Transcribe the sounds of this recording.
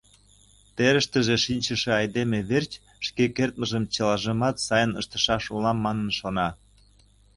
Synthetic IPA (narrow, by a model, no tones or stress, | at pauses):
t̪eɾəʃt̪əʒeʃinʲt͡ɕəʃeɑjd̪emeβert͡ɕ | ʃkekert̪̚məʒəmt͡ɕəlɑʒəmɑt̪sɑjənəʃt̪ə̥̆ʃɑʃulɑmːɑnənʃonɑ